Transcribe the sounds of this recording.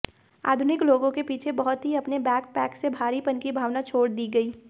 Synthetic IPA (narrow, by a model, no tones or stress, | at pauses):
a̰ːd̪ʱʊnɪkloːɡõkepiːt͡ʃʰebɐɦʊt̪ɦiɐpnebɛːk̚pɛːksebʱaːɾipɐnkibʱaːʋnat͡ʃʰoːɽd̪iːɡɐiː